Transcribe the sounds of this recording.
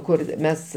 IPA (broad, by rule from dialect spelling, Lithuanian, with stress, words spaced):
ˈkʊr ˈmʲɛs